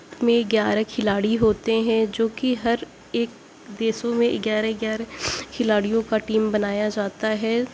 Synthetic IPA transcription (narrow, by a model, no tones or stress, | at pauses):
mẽɡjaːɾekʰɪlaːɽiɦoːt̪eɦɛ̃d͡ʒoːkiɦɐɾ | eːk̚ | d̪eːsõmẽɡjaːɾeɡjaːɾekʰɪlaːɽijõkaʈiːmbɐnaːjad͡ʒaːt̪aɦɛː